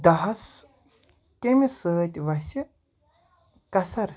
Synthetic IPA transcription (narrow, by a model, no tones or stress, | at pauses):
d̪ɐɦɐs | kʲemisəːt̪ʲʋɐsʲi | kɐsɐɾ